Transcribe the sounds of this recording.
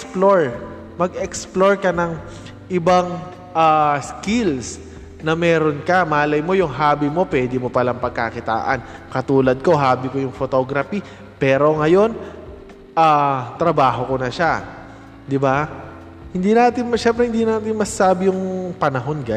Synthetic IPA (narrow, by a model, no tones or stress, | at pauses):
ploɹ | mɐɡʔɛksploɹkɐnɐŋ | ʔɪbaŋ | ʔaːskɪls | nɐmɛːɾo̞nkɐmaːlɐjmo̞jʊŋɦaːbɪmo̞pwɛːd̪ɪmo̞pɐlɐŋpɐɡ̚kakɪt̪a̰ːʔɐ̰n | kɐt̪uːlɐd̪̚ko̞ɦaːbɪkojʊŋfot̪o̞ːɡɾɐfi | pɛːɾo̞ŋɐjo̞n | ʔaːt̪ɾɐbaːɦo̞ko̞nɐʃa | d̪ɪba | hɪnd̪inaːt̪ɪnmɐʃɛmpɾɛhɪnd̪inaːt̪ɪnmɐssaːbɪjʊŋpɐnɐɦo̞nɡa